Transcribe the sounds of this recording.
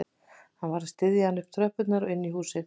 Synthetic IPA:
hanvaɾðɪst̪ɪðjɪanʏhpt̪ʰɾœhpʏt̪naɾɔɪnːiɦuːsɪ

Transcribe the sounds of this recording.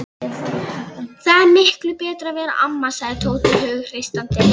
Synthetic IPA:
θaðɛɾmɪhklʏpɛːt̪ɾavɛːɾa̰ʔamːḁsaːɣðɪt̪ʰoːwt̪ʏhœːɣʏr̥ejst̪ant̪ɪ

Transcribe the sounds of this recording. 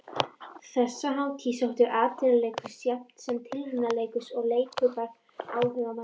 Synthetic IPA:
θɛsːaɦawt̪ʰisawht̪ʏɾʔaːt̪ɪɾaleːjkʏ̥sjam̥t̪sɛmt̪ʰɪlhɪnːaleːjkʏsɔɣleːjkʰʏɾpaɾ | aːwhʏvama

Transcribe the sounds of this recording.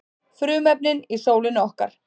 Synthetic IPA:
fɾʏːmɛp̚nɪnisoːwlɪnɔhka̰ɾ̥

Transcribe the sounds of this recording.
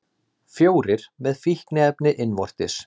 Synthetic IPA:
fjoːwɾɪɾ̥mɛðfihknɪɛpnɪʔɪnvɔr̥t̪ɪs

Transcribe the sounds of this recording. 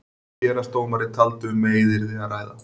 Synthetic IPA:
ɛːɾast̪oːwnmaɾɪt̪ʰalt̪ʏmːeːjðɪɾðiaraːjða̰

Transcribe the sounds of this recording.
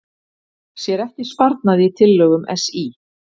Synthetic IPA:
sjɛɾɛhcɪspaɾt̪̚naðɪit̪ʰɪlːœːɣʏmʔɛ̰si

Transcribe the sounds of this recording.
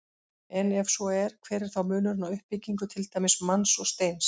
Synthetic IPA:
ɛnɛvsɔɛɾ̥kʰvɛːɾɪɾ̥θawmʏːnʏɾɪnawʏhpːiciŋkʏt̪ʰɪlt̪aːjmɪsmansɔɣst̪ejns

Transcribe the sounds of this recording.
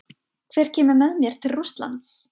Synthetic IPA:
kʰvɛːɾ̥cʰɛːmʏɾmɛðmjɛɾ̥t̪ʰɪlrust̪la̰nt̪s

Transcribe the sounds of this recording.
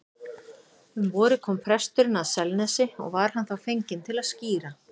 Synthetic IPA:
hʏmvɔːɾɪkʰɔːmpʰɾɛst̪ʏɾʏnaðsɛlnɛsɪɔ̰ɣvaɾ̥hanθawfejɲcɪnt̪ʰɪlaðsciːɾa

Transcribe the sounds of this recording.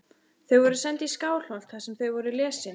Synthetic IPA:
θœɥvɔɾʏsɛnt̪iskaːwl̥hɔl̥t̪θasɛmθœɥvɔɾʏlɛːsɪ

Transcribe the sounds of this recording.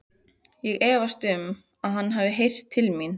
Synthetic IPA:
jɛɣɛːvast̪ʏm | aðɦanːɦavɪɦejr̥t̪ʰːɪlmin

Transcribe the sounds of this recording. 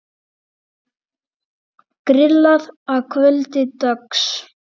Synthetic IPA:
kɾɪlːaðaðkʰvœlt̪ɪt̪œks

